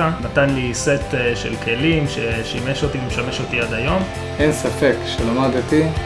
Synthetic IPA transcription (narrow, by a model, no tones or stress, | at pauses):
anatanliset̪eʃḛlkʰelimʃeʃimeʃot̪ilimʃame̞ʃot̪iad̪ajo̞m | ʔensafekʃelamad̪t̪i